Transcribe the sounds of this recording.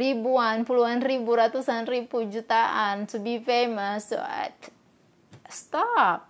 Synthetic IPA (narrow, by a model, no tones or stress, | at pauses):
ribuanpuluanribuɾat̪usanribud͡ʒut̪aʔant̪ubifemaso̰a̰t̪ | st̪ɔp̚